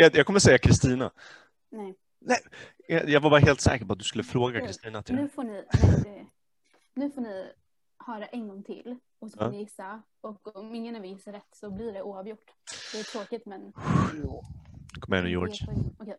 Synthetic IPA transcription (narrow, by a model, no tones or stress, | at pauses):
ɛjɑkʰɔmːəsɛjːakʰɾɪst̪iːna̰ | nɛ | nɛ | ɛjɑɡvabɑɾahɦeːlt̪sɛ̰ːkəɾpɔat̪̚d̪ɵskɵlːəfɾoːɡakʰɾɪst̪iːnat̪ʰɪnʉ̟ːfoːnɪɛ | nʉ̟ːfoːnɪ | hœːɾaʔɛnɡɔŋt̪ʰɪ̰lː | ɔsɔɪjɪsːa | ɔkɔmɪŋːənɛvɪjɪsːaɾɛt̪ːsɔblɪɖɛʔuːavjʊʈːd̪̥ɛːt̪ʰɾoːkɪt̪mɛn | kʰɔmɛ̰njo̰ːɔkɛj